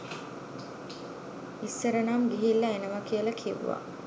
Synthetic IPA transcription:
isːəɾɐnaːmɡiɦilːɐenəmɐkiəlɐkʰiʋːa̰

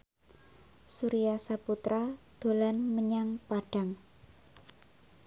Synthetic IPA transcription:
suɾijasaput̪ɾad̪̥o̤lanməɲaŋpaɖ̥a̤ŋ

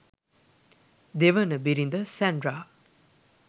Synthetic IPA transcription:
d̪eʋənəbiɾind̪əsɛnɖɾa

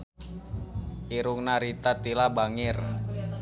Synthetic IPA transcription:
ʔiɾʊŋnaɾit̪at̪ilabaŋɪr

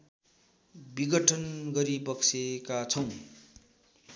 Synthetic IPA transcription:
biɡʌʈʰʌnɡʌɾibʌksekat͡sʰʌw̃

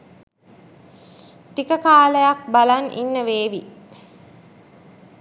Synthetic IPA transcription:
t̪ikəkaːləjak̚balanʔḭnːəʋeːʋi

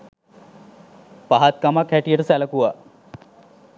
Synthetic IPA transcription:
paɦat̪̚kamakʰɛʈijeʈsɛlakuwa

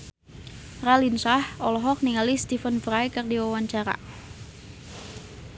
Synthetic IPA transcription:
ralinsahɔlɔɦɔk̚niŋalist̪ifənfɾajkərdiwawaɲt͡ʃaɾa̰

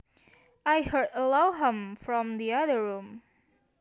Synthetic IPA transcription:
ajhɜ˞dəlaʊɦə̃mfɹɔ̃md̪iaðə˞ɹũm

